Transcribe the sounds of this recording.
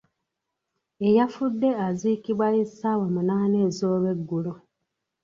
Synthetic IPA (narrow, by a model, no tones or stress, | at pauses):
e̞jafudːe̞aziːkiβwajisawamunaːne̞ːzo̞ːβe̞ɡːulo̞